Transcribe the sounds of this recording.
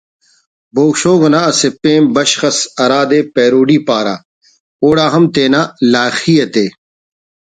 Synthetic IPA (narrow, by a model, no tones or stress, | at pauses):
boːkɕoːɡonaɐsepẽːmbɐɕxɐsɐɾaːd̪eːpeːɾoːɖiːpaːɾa̰ː | oːɽaːɦɐmt̪eːnaːlaːxiːɐt̪eː